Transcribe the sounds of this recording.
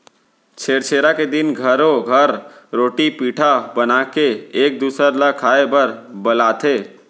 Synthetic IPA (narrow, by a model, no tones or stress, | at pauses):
t͡ʃʰeːɾt͡ʃʰeːɾaked̪ɪnɡʱəɾoɡʱəɾ | ɾoːʈipiːʈʰabənaːkeeːk̚d̪uːsəɾlakʰaːebəɾbəlaːt̪ʰeː